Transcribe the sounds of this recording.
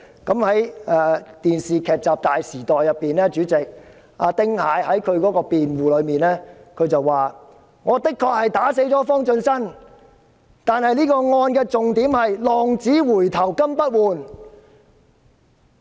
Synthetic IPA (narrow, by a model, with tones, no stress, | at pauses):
kɐ˨˥mhɐ˨˥jɛː˨˧t̪iː˨nsiː˨kʰɛː˨˩k̚t͡saː˨p̚t̪aː˨jsiː˨˩t̪ɔː˨˩jːɐ˨pːiː˨nlɛː˥t͡ʃyː˨˥t͡sɪ˨k̚ | ʔaː˧t̪ɪ˥ŋhaː˨˧˥jhɐ˨˥jkʰɵ˨˧ɥkɔː˨˥kɔː˧piː˨nwuː˨lɵ˨˧ɥmiː˨nlɛː˥kʰɵ˨˧ɥt͡sɐ˨wːaː˨ | ŋɔː˨˧t̪ɪ˥kʰːɔː˧k̚hɐ˨jt̪aː˨˥s̬e˨˥jt͡sɔː˨˥fɔː˥ŋt͡ʃɵ˧nsɐ˥n | t̪aː˨nhɐ˨jniː˥kɔː˧ŋɔː˧nkɛː˧t͡sʊ˨ŋt̪iː˨˥mhɐ˨jlɔː˨ŋt͡siː˨˥wuː˨˩jt̪ʰɐ˨˩wkɐ˥mpɐ˥t̚wuː˨˩n